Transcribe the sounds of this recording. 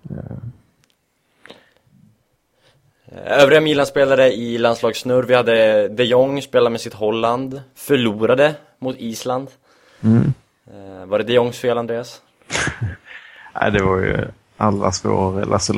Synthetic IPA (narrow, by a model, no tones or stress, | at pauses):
øːvɾɪɡamiːlanspeːlaɾəɪlanslɑːɡsnɵɾvɪhad̪ːəd̪ɛjɔŋːspeːlamɛsɪt̪ɦɔlːand̪fœɭuːɾad̪ə | mʊt̪ʰiːsland̪ | vaɖɛd̪ɛjɔŋːsfeːland̪ɾeːas | ʔa̰ɪd̪ɛvaɾjɵ̰ | ʔalːa̰sko̰ːɾɛ̰lʔa̰sɔ